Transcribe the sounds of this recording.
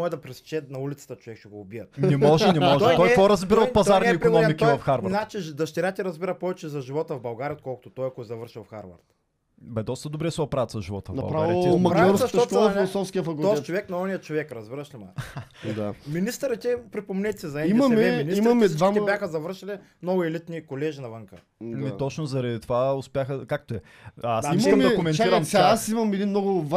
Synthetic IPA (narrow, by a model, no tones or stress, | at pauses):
ɔɛd̪ɐpɾɛst͡ʃɛt̪nɐulʲit̪sɐ̥t̪ət͡ʃovɛkʃɛɡoːbiət̪nɛmɔʒɛnɛmɔʒɛt̪ɔjɔɾɐzbiɾɐlpɐzaɾnɛikɾinɔmik̪ivɐfxaɾvɾnat͡ʃid̪ɐʃt̪ɛɾat̪ʲɛɾɐzbiɾɐpɔvɛt͡ʃɛzɐʒivɔt̪əvbɐlˠɡaɾʲiot̪kɔlˠkʊ̥t̪ʊt̪ɔjkɔzɐvəɾʃilˠfxaɾvɐ̰ɾt̪ | bɛd̪ɔst̪əd̪obɾɛsɛotpɾaɐt̪sɐʒivɔ̰t̪əvnɐbɐ̰pɾaavaimɐɾɡlɔɾsɐʃt̪ɔt̪filˠosɔfskʲiəfɐkʊd̪ɔstɛt͡ʃovɛknɐɔnijət͡ʃovɛkɾɐzbiɾɐʃlima̰d̪aminist̪əɾət̪ɛpɾipomnɛt̪ʲɛ̥sɛzɐɛimɐmɛɛmniimɐmɛdd̪vamɛbjaxəzɐvəɾʃilimnɔɡʊɛlit̪nikolɛʒinɐvəŋkə̰ | ɛmit̪ɔt͡ʃnozɐɾɐd̪it̪ovaʊspʲjaxəkak̚t̪oɛ | asimmɛd̪ɐkomɛnaiɾɐmsʲaasimɐmɛd̪inmnɔɡʊva